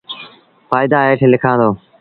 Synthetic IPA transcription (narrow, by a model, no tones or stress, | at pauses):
faːɪd̪aːɦeːʈʰelɪkʰãːd̪oː